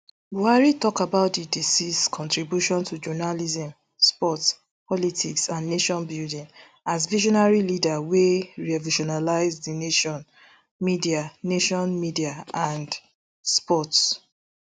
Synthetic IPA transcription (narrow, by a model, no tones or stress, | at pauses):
buaɹitɔkabaʊt̚didisiskʰɔ̃ntɹibjuʃɔ̃ntʰud͡ʒɔnalizɛ̃m | spɔts | pʰɔlitʰiksãnneʃɔ̃nbildĩŋ | azviʒɔnaɹilidaweɹiviʃɔnalaɪzðineʃɔ̃n | midianeʃɔ̃nmidiaʔãnd | spɔts